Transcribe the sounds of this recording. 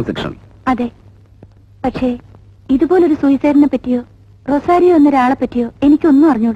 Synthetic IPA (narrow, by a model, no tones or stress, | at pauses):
sekʂɐ̰n | ɐðe̞ː | pɐʈʂe̞ | iðubo̞ːleo̞ɾusujisɐːɾinːɐpːɐtːijo̞ː | ro̞saːɾijoonːoɾaːɭɐpːɐtːijo̞ːe̞nikʲːo̞nːupɐrɐɲːuːɽ